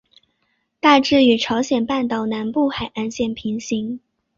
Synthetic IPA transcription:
t̪a˥˧ʈ͡ʂɻ̩˥˩y˨˩ʈ͡ʂʰɑ˧˥ʊɕjɛ˨˩npa˥˩nt̪ɑ˨˩ʊna˧˥npu˥˩xa˨˩ɪʔa˥˧nɕjɛ˥˩npʰi˧˥ŋɕi˧˥ŋ

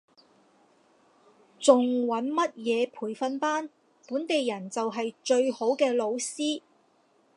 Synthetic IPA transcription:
t͡sʊ˨ŋwɐ˨˥nmɐ˥t̚jɛː˨˧pʰuː˨˩jfɐ˧npaː˥n | puː˨˥nt̪e˨jːɐ˨˩nt͡sɐ˨wɦɐ˨jt͡ʃɵ˧ɥho˨˥wkɛː˧lo˨˧wsiː˥

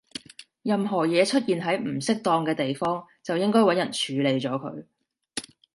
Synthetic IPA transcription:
jɐ˨mɦɔː˨˩jɛː˨˧t͡ʃʰɵ˥t̚jiː˨nɦɐ˨˥jm̩˨˩sɪ˥k̚t̪ɔː˧ŋkɛː˧t̪e˨jfɔː˥ŋ | t͡sɐ˨wjɪ˥ŋkɔː˥jwɐ˨˥njɐ˨˩nt͡ʃʰyː˨˧˥le˨˧jt͡ʃɔː˨˥kʰɵ̰˨˧ɥ

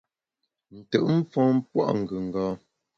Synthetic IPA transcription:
n̩˨tə˨ʔm̩˦fɔ̃ː˦m˦pwa̰˦ʔŋ̩˨ɡʉ˨ŋ˨ɡɔː˨˦

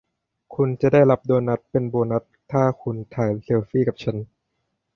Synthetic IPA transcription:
kʰu˧nt͡ɕa˨˩daː˥˩jla˦˥p̚doː˧nːa˦˥t̪̚pe˧nboː˧na˦˥t̪ʰːaː˥˩kʰu˧nt̪ʰaː˩˦jse˧wfiː˥˩ka˨˩p̚t͡ɕʰa˦˥n

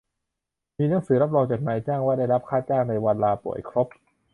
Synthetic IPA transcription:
miː˧na˦˥˦ŋsɯː˩˦ɾa˦˥p̚ɾɔː˧ŋt͡ɕa˨˩na˨˩˦jt͡ɕaː˥˩ŋwaː˥˩da˥˩jɾa˦˥p̚kʰaː˥˩t͡ɕaː˥˩ŋna˧jwa˧nlaː˧pṵ˨˩əjkʰɾo˦˥p̚

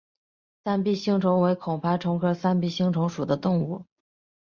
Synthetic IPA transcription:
sa˥npi˥˩ɕi˥ŋʈ͡ʂʰʊ˧˥ŋwe˧˥ɪkʰʊ˨˩ŋpʰa˥˩ʈ͡ʂʰʊ˧˥ŋkʰɤ˥sa˥npi˥˩ɕi˥ŋʈ͡ʂʰʊ˧˥ŋʂu˨˩d̪ə˦t̪ʊ˥˧ŋu˥˩

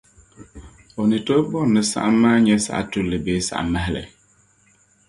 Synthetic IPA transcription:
ɔ˨nɪ˨to˦bɔ˦˨nːɨ˨sa̰˦ʔa˦mːaː˦ɲɛ˦sa̰˨a̰˨tu˦lːɨ˨beː˨˦sa̰˨ʔa̰˨ma˦ɦlə̰˨

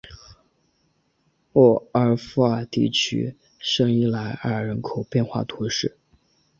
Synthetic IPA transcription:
wɔ˨˩ə˧˥fu˧˥ə˨˩t̪ḭ˥˩t͡ɕʰy̰˥ | ʂɤ˥ŋi˥˩la˧˥ɪə˞˧˩ɻə˧˥nkʰo˨˩ʊpjɛ˥˧nxwa̰˥˩t̪ʰu˧˥ʂɻ̩˥˩

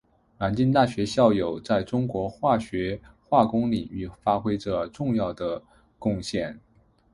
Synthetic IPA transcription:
na˧˥nt͡ɕi˥nt̪a˥˩ɕɥɛ˧˥ɕjɑ˥˩ʊjo˨˩ʊt͡sa˥˩ɪʈ͡ʂʊ˥ŋkwɔ˧˥xwa˥˩ɕɥɛ˧˥xwa˥˩kʊ˥ŋli˨˩ŋy˥˩fa˥xwe˥ɪʈ͡ʂə˧ʈ͡ʂʊ˥˧ŋjɑ˥˩ʊd̪ə˩ | kʊ˥˧ŋɕjɛ˥˩n

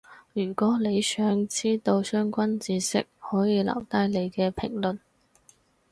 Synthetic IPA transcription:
jyː˨˩kʷɔː˨˥le˨˧jsœː˨˥ŋt͡siː˥t̪o˧wsœː˥ŋkʷɐ˥nt͡siː˧sɪ̰˥k̚hɔː˨˥jiː˨˧lɐ̰˨˩wt̪aː˥jle˨˧jkɛː˧pʰɪ˨˩ŋlɵ˨n

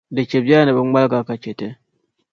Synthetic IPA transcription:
də˨t͡ʃe˨bi˦a˦na˨bə˦ŋ͡ma˦lɡa˨ka˨t͡ʃe˨te˦

